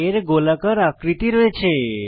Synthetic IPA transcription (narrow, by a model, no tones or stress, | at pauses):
eɾɡolakaɾakɾit̪iɾoet͡ʃʰe